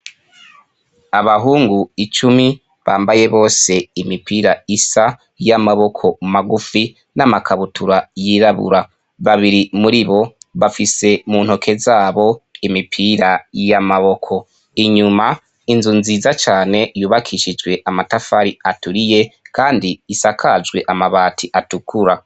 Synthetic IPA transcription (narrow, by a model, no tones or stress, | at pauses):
aβaɦuːŋɡuit͡ʃumi | βaːmbaje̞βo̞ːse̞imipiːɾaisa | jamaβo̞kʰo̞maɡufi | namakʰaβutʰuɾajiːɾaβṵɾa | βaβiɾimuɾiβo̞βafise̞muːn̥ho̞kʰe̞zaːβo̞imipʰiːɾajamaβo̞kʰo̞ | iɲuma | inzunziːzat͡ʃaːne̞juːβakʰiʃid͡ʒɡwe̞ʔamatafaɾiatuɾije̞kaːndiisakʰad͡ʒɡwe̞ʔamaβaːtʰiʔatukʰuɾa